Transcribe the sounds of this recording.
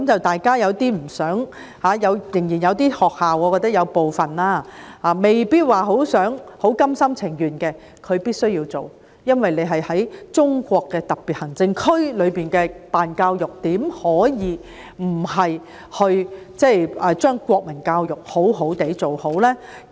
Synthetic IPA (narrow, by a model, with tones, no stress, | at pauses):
kɐ˦mt͡sɐ˨˩wt̪aː˨jkaː˥jɐ˨˧wt̪iː˥m̩˨˩sœː˨˥ŋ | haː˨˥jɐ˨˧wjɪ˨˩ŋjiː˨˩njɐ˨˧wt̪iː˥hɔː˨k̚haː˨wɔː˨˧kɔː˧t̪ɐ˥jɐ˨˧wpo˨wfɐ˨nlaː˥haː˨˧me˨jpiː˥t̚waː˨ɦo˨˥wsœː˨˥ŋho˨˥wkɐ˥msɐ˥mt͡sʰɪ˨˩ŋjyː˨˩nkɛː˧ | kʰɵ˨˧ɥpiː˥t̚sɵ˥ɥjiː˧wt͡so̰˨˩w | jɐ˥nwɐ˨jne˨˧ɦɐ˨jhɐ˨˥jt͡ʃʊ˥ŋkʷɔː˧kːɛː˧t̪ɐ˨˩k̚pi˨t̚hɐ˨˩ŋt͡sɪ˧ŋkʰɵ˥ɥlɵ˨˧ɥpiː˨˩nkɛː˧paː˨nkaː˧wjʊ˨k̚t̪iː˨˥mhɔː˨˥jiː˨˧ | m̩˨˩ɦɐ˨j | hɵ˧ɥ | t͡sɛ˥jɛː˨˧t͡ʃœː˥ŋkʷɔː˧k̚mɐ˨˩nkaː˧wjʊ˨˩k̚ho˨˥wɦo˨˥wt̪e˨˥jt͡so˨who˨˥wlɛː˥